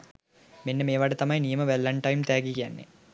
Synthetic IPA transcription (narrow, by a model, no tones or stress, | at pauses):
menːemeːʋaɖət̪ɐmɐjnijɐməʋɛlːɐɳʈɐjmt̪æːɡikijanːḛ